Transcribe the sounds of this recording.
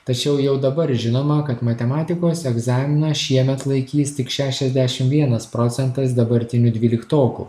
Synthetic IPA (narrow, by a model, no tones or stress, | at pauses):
t̪ɐt͡ʃʲɛʊjɛʊd̪ɐbɐɾʒʲɪnoːmɐkɐt̪mɐt̪ʲɛmɑːt̪ʲɪkoːsɛɡzɑːmʲɪnɐʃʲiɛmʲɛt̪lˠɐɪkʲiːst̪ʲɪkʃʲæːʃʲɛzʲd̪ʲæʃʲɪmʋʲiɛnɐspɾoːt̪sʲɛnt̪ɐsd̪ɐbɐɾʲt̪ʲɪnʲʊd̪ʲʋʲiːlʲɪkt̪oːkṵː